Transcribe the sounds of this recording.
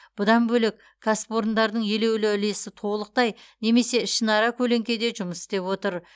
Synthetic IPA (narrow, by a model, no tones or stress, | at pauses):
b̥ʊd̪ɑnbɵlek | kʰːaspo̞ɾnd̪ɑɾd̪əɴje̞le̞wlɪɪle̞sɪt̪ʰo̞lˠəq̚t̪ɑjne̞me̞se̞ʃənɑɾɑkʲʰɵle̞ŋkʲe̞d̪e̞ʒʊməsɪ̥t̪e̞pwo̞t̪əɾ